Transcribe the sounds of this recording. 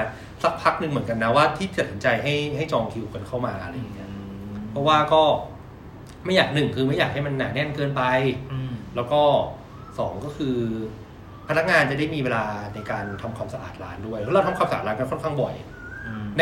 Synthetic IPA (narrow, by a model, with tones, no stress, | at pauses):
sa˨˦k̚pʰa˦˥k̚nɯ˨˧ŋmɯ˩˦ə˦nka˧nːa˦˥waː˥˩t̪ʰiː˥˩˨sa˩˦nt͡ɕa˧jɦa˥˩jɦa˥˩jt͡ɕɔː˧ŋkʰi˧wka˧nkʰa˥˩wmaː˧ʔa˧ɾa˧ja̰˨˩ŋːni˦˥ɐʔpʰɔ˦˥waː˥˩kɔː˥˩ | ma˥˩jaː˨˩k̚nɯ˨˩ŋkʰɯː˧ma˥˩jaː˨˩k̚ha˥˩jma˧nːa˨˩nɛ˥˩nkɤː˧npa˧jlɛː˦˥wkɔː˥˩ | sɔː˩˦ŋkɔː˥˩kʰɯː˧ | pʰa˧na˦˥k̚ŋaː˧nt͡ɕa˨˩da˥˩jmiː˧weː˧laː˧na˧jkaː˧nt̪ʰa˧mkʰwaː˧msa˧ʔa̰ː˨˩t̪̚ɾa̰ː˦˥ndu˥˩əjʰɔ˥la˧t̪ʰa˧mkʰaː˧sa˧a̰ː˨˩t̪̚laː˦˥nka˧˥˩kʰɔ˥˩nkʰaː˥˩ŋbɔ˨˩j | n